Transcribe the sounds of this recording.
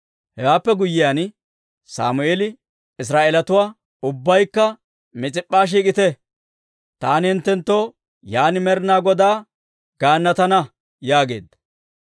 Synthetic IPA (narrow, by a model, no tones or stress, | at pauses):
hɛwaːpːɛɡʊjːɪjaːn | sa̰ːmʊeːlɪ | ɪs̬ɾaːʔelɐt̪ʊwaː | ʊbːɐjkːɐ | mɪt͡sʼɪpʼːaːʃ̬iːk̬ʼɪt̪ɛ | t̪aːnɪhɪnt̪ːɛnt̪ːo̞ː | jaːnɪmɛɾnaːɡɔd̪aː | ɡ̥aːnːɐt̪ɐnɐ | jaːɡe̞̰ːd̪ɐ̥